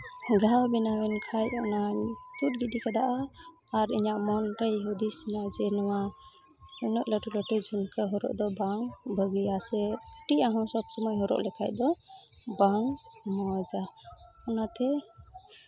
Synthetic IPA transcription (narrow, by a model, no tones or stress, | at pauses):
ɡawbinawɛnkʰajɔnat̪ut̚ɡid̪ikʰad̪aʔaː | ɾḭɲaʔmɔnɾajɦud̪isinaʔd͡ʒɛnɔwa | unɔʔləʈulɔʈujd͡ʒʱunkəɦɔɾɔ̰ʔd̪ɔbaŋbəɡijasɛʈiaɦɔ̃sɔbsɔmɔjɦɔɾɔ̰ʔlɛkʰajd̪ɔ | baŋmɔd͡ʒaɔnat̪ʰɛ